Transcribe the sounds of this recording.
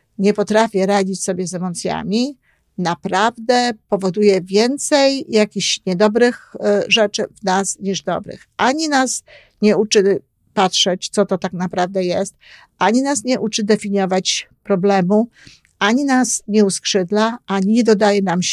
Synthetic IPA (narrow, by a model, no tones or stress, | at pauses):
ɲɛpɔt̪ɾafʲjɛɾad͡ʑit͡ɕsɔbʲjɛzɛmɔt̪sʲja̰mʲi | napɾavd̪ɛpɔvɔd̪ujɛvʲjɛnt̪sɛjjakʲiɕɲɛd̪ɔbɾɘxʐɛt͡ʂɘvnasɲiʐd̪ɔ̰bɾɘ̰xʔaɲinas | ɲɛut͡ʂɘ | patʂɛt͡ɕt̪sɔt̪ɔt̪aknapɾavd̪ɛjɛst̪ | ʔaɲinasɲɛʔut͡ʂɘd̪ɛfʲiɲɔvat͡ɕpɾɔblɛmu | ʔaɲinasɲɛuskʂɘd̪laaɲid̪ɔd̪ajɛnam